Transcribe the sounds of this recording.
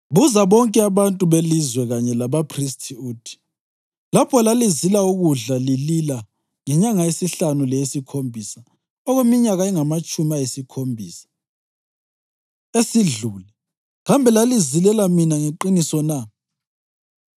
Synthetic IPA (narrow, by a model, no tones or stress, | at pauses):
βuzaβɔŋkʼɛaβantʼuβelizwɛɣaɲɛlaβapʰristʰiuːtʰi̥ | lapʰɔlalizilauɣuɮalilila | ŋɛɲaŋaesiɬanulɛjesikʰombʱisa | ɔɣwemiɲaɣaɛŋamat͡ʃʼumiajesikʰombʱiːsḁ | esiɮulɛ | ɣambʱɛlalizilɛlaminaŋeǃinisɔna